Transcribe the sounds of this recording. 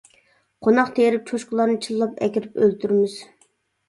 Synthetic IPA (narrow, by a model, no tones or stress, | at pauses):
qʰonɑqt̪ʰeɾɪp̚t͡ʃʰoʃqʊlˠɑɾnɨt͡ʃʰilːˠɑpɛ̰kʲiɾɪpølt̪ʰyɾmɪz̥